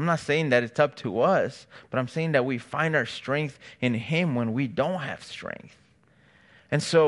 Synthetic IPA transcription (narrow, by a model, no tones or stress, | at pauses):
ɪ̃mnətseɪɪ̃ŋðɨɾɨtsʌp̚tʰəʌsb̥ʌɾãɪ̃mseɪɪ̃ŋðɨt̚wifãɪ̃ndaʊə˞stɹ̥ɛ̃ŋk̚θɨ̃nɪ̃mwə̃nwidõʊ̃nt̚ɦɨ̰v̥stɹ̥ɛ̰̃ŋk̚θ | ɨ̃nsoʊ